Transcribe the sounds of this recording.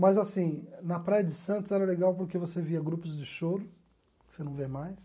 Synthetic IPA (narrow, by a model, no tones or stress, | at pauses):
mɐzasĩnɐpɾajɐd͡ʒɪsɐ̃nt̪ʊzɛɾɐleɡawpoɾkevoseviɐɡɾupʊzd͡ʒɪʃoɾʊ | ksenɐ̃w̃vemajs